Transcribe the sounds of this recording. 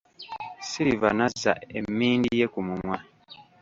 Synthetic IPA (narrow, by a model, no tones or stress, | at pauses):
siɾivanazːa̰e̞mːiːndije̞kumumwa